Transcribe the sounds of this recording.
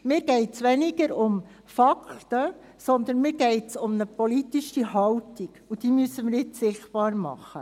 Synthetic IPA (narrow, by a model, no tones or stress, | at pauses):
mɪːɾɡ̥ɛɪtsʋɛniɡəɾʊm | fɑktə | sɔnd̪ənmɪːɾɡɛɪtsʊmnəpɔlit̪iʃihɑwtiɡ̥ud̥̪iːmysəmɪɾjɪtsɪχtpɑːɾmɑ̰χːə̰